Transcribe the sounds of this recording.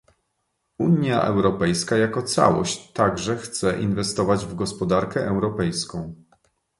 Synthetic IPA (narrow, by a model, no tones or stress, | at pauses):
uɲja̰ʔɛ̰wɾɔpɛjskajakɔt̪sa̰wɔ̰ɕt͡ɕt̪ːaɡʐɛxt̪sɛʔinvɛst̪ɔvad͡ʑvɡɔspɔd̪aɾkɛʔɛwɾɔpɛjskɔ̃w̃